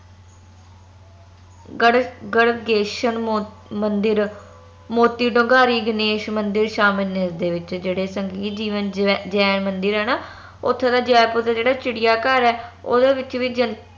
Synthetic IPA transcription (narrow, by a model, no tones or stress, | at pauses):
ɡəɽɡeːʃən | mənd̪ɪɾ | moːt̪iːɖõːɡaːɾiːɡɪneːʃmənd̪ɪɾʃaːmɪlneːsd̪eːʋɪt͡ʃd͡ʒeːɽeːsəŋɡiːt̪d͡ʒiːʋənd͡ʒɛːnmənd̪əɾɦɛːnaː | ʊt̪ʰːeːd̪aːd͡ʒɛːpʊd̪aːd͡ʒeːɽaːt͡ʃɪɽɪjaːkəɾɛːo̰ːd̪eːʋɪt͡ʃʋiːd͡ʒən